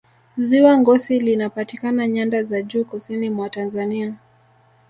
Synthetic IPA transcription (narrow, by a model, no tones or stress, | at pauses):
ziwaŋɡɔsilinapatikanaɲandazaʄuːkusinimwatanzania